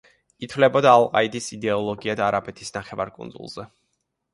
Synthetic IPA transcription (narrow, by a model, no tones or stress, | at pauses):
it̪ʰvlɛbɔd̪aːlˠqʼa̰id̪isid̪ɛɔlˠɔɡiad̪aːɾabʼɛt̪ʰisnaχɛva̰ɾkʼṵnd̪zṵlˠz̥ɛ